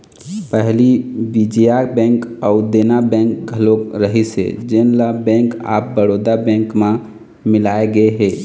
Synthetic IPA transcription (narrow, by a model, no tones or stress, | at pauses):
pəɦlibid͡ʒijabɛ̃ŋkɔʊd̪enabɛ̃ŋk̚ɡʱəlokɾəɦisḛd͡ʒenlabɛ̃ŋka̰ːp̚bəɾod̪abɛ̃ŋkmã | mɪlaːeɡəeɦe